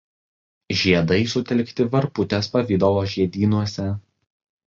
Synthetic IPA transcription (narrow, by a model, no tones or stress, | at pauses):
ʒʲiɛd̪ɐɪsʊt̪ʲɛlʲˑkt̪ʲɪʋɐɾpʊt̪ʲɛspɐʋʲiːd̪oʋoːʒʲiɛd̪ʲiːnuɔsʲɛ